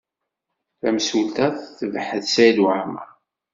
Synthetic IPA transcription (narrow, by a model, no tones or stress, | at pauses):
θæmsult̪æθθəvħəθsæjd̪wʕmæ̰